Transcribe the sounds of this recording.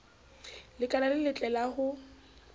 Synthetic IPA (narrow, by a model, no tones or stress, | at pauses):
lɪkʼanalɪlɪt͡ɬʼɛlaɣʊ